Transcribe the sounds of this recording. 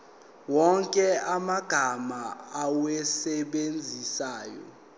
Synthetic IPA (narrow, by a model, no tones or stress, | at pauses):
wɔŋkʼɛamaɡ̥ʱamaawɛsɛɓend͡zʱisaːjɔ̰